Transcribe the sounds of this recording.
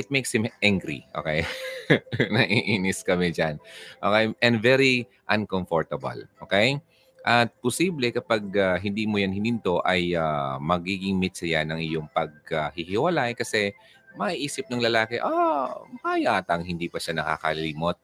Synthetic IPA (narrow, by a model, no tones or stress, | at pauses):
ʔɪt̪̚mejkshɪmʔaŋɡɾḭʔo̰ːkɛj | nɐʔiʔiːnɪskɐmɛd͡ʒanʔoːkɛjʔɛnd̪vɛɾi | ʔɐnkomfoɹt̪ɐbɐ̰lʔoːkɛj | ʔɐt̪̚pʊsiːblɛkɐpaɡ̚aɦɪnd̪iːmojanhɪnɪnt̪o̞ʔɐjamɐɡiːɡɪŋmɪt̪sɐjanɐŋʔɪjoŋpɐɡ̚ahɪhɪwɐlajkɐsɛ | mɐʔiʔiːsɪp̚nɐŋlɐlaːkɛʔopajaːt̪ɐŋhɪnd̪iːpɐʃanɐka̰ːkɐlɪliːmot̪̚